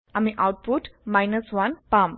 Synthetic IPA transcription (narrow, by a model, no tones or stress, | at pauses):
amiʔawʈ̚puʈmajnəsʋɐnpam